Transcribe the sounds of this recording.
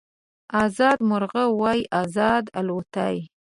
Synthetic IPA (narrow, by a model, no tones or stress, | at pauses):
ɑzɑd̪mʊɾɣəwɑjʔɑzɑd̪alot̪aj